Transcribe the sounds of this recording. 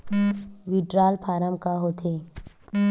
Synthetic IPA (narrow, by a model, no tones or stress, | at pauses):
ʋiɖɾaːlpʰaːɾəmkaɦoːt̪ʰeː